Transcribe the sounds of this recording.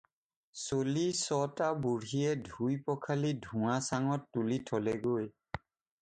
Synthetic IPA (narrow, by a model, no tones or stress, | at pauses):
solisɔtabuɹɦiɛdʱujpɔkʰalidʱũasaŋɔtːulitʰɔlɛɡoj